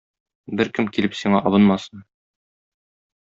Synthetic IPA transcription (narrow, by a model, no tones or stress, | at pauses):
bɘɾkɘmkilɘpsiɴɑʔɒβɤnmɑsɤn